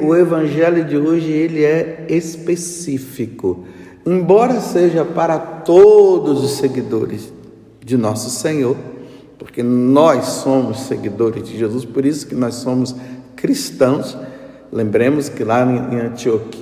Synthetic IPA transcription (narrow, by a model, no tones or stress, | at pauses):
ʊevɐ̃ʒɛljʊd͡ʒɪoʒɪelɪɛespesifikʊ | ẽbɔɾɐseʒɐpaɾɐt̪od̪ʊzʊsːeɡid̪oɾɪz | d͡ʒɪnɔsʊsẽɲoɾ | poɾkenɔjssõmʊsːeɡid̪oɾɪzd͡ʒɪʒezuspoɾisʊ̥kɪnɔssõmʊskɾist̪ɐ̃w̃s | lẽmbɾẽmʊskɪlãḛ̃j̃ɐ̃t͡ʃiok